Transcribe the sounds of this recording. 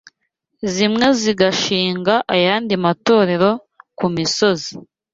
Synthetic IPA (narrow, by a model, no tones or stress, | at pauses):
zimŋe̞ziɡaʃiːŋɡaʔajaːndimato̞ːɾe̞ɾo̞ | kumiso̞zi